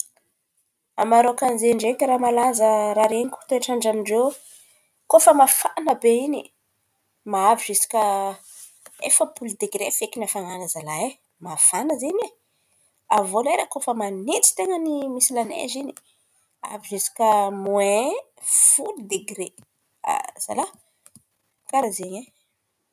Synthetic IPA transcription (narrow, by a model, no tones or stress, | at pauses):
a̰maɾokanizeɳɖ͡ʐekʲəɾamalazəɾaɾeniku̥t̪oeʈ͡ʂaɳɖ͡ʐaniɳɖ͡ʐew | kofəmafanəbeini | maaviʒesi̥kʲə | efəpuld̪eɡɾefekinafaŋanazalae | mafanəzene | avoleɾakofəmanet͡si̥t̪eŋənimisilanḛzini̥ | a̰viʒesi̥kʲəmue | fulid̪eɡɾe | a̰z̥a̰la | kaɾazeɲe